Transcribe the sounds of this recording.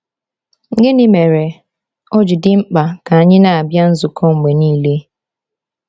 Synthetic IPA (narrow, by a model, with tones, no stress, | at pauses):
ŋ̩˦ɡe˦ni˦me˨ɾe˨ | o˦d͡ʒi˨dɪ˦ŋ͡m̩˦k͡pa˨ka˨a˨ɲɪ˦na˨a˨bja˦n̩˦zu˨kʰɔ˦ŋ̩˨me˨niː˦le˦